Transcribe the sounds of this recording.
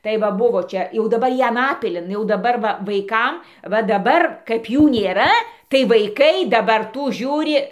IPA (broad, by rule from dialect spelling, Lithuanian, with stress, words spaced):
tɐɪ ˈʋɐ ˈbʊʋoː ˈt͡ʃʲɛ jɛʊ dɐˈbɐr ˈjiɛ ˈɑːnɐpʲɪlʲɪn jɛʊ dɐˈbɐr ˈʋɐ ʋɐɪˈkɐm ʋɐ dɐˈbɐr kɐɪp ˈjuː nʲeːˈrɐ tɐɪ ʋɐɪˈkɐɪ dɐˈbɐr ˈtuː ˈʒʲuːrʲɪ